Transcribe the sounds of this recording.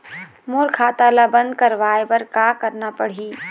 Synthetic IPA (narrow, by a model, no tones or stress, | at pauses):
moːɾkʰaːt̪alabɐ̃nd̪̚kɐɾʋaːebɐɾkaːkɐɾnapɐɽ̤iː